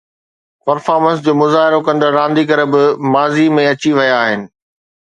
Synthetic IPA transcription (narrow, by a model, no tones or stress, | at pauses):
pɐɾfaːɾmə̃ns̬d͡ʑoːmʊzaːɦɪɾokɐ̃nd̪əɾɾãːnd̪ikɐɾə̆bɪmaːzimẽɐt͡ɕiʋɐjaːɦɪnɪ̆